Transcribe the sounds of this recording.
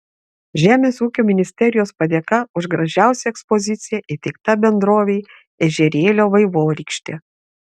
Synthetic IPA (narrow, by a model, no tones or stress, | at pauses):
ʒʲæːmʲeːsuːkʲoːmʲɪnʲɪsʲt̪ʲɛɾʲɪjoːspɐd̪ʲeːkɐʊʒɡɾɐʒʲæˑʊsʲɛɛkspɔzʲɪt̪sʲɪjɛʔɪt̪ʲɛɪk̚t̪ɐbʲɛnd̪ɾoːʋʲeɪ | ɛʒʲɛɾʲeːlʲoːʋɐɪʋoːɾʲiːˑkʃʲt̪ʲeː